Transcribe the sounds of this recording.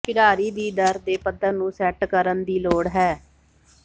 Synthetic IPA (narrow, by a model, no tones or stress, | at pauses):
kɪɽaːɾiːd̪iːd̪əɾd̪eːpəd̪əɾnũːsɛːʈkəɾənd̪iːloːɽɦɛː